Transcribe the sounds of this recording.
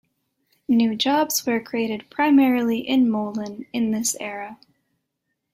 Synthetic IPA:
nʉd͡ʒɑbz̥wə˞kʰɹ̥ieɪɾɨd̚pʰɹ̥aɪmɛɹl̩ˠiʔɪ̃nmoʊlˠə̃nɨ̃nðɪsɛɹɨ

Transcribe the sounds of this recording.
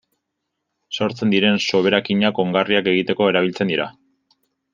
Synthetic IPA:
so̞ɾt͡se̞nd̪iɾe̞nso̞β̞e̞ɾakiɲako̞ŋɡariake̞ɣit̪e̞ko̞e̞ɾaβ̞ilt͡se̞nd̪iɾa̰

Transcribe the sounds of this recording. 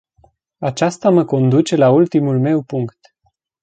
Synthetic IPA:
at͡ʃast̪aməko̞nd̪ut͡ʃe̞lault̪imulme̞wpuŋkt̪

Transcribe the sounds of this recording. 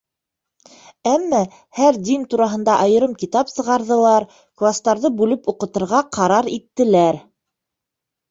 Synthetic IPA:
æmːæ | hæɾd̪int̪uɾɑɦɤ̆nd̪ɑʔɑjɤ̆ɾɤmkit̪ɑpsɤ̆ʁɑɾðɤ̆lˠɑɾ | klˠast̪ɑɾðɤbʉlɘpuqɤ̆t̪ɤ̆ɾʁɑqʰɑɾɑɾit̪ːɘ̆læɾ

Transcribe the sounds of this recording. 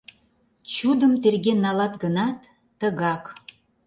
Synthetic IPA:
t͡ɕud̪əmt̪erɣenːɑlɑt̪ɡənɑt̪ː | əɣɑk

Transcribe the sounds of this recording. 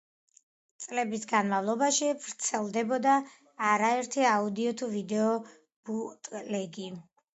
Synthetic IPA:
t̪sʼlɛbisɡanmavlˠɔbaʃivɾt̪sʰɛlˠd̪ɛbɔd̪aː | ɾaɛɾt̪ʰiaud̪iɔt̪ʰuvid̪ɛɔ | b̥ut̪ʼlɛɡi

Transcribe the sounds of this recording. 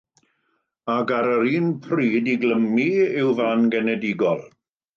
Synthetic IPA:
aɡaɾəɾiːnpʰriːdiɡləmiɪwvanɡɛnɛdɪɡɔlˠ

